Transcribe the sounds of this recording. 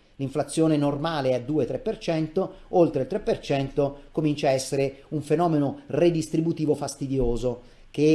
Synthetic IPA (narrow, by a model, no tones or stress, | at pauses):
liɱflat̪sːjoːnenormaːleɛd̪ːuːet̪ɾepːert͡ʃɛnt̪o | olt̪ɾeilt̪ɾepːert͡ʃɛnt̪okomint͡ʃaɛsːeɾeuɱfenɔːmenored̪ist̪ɾibut̪iːvofast̪id̪joːzo | ke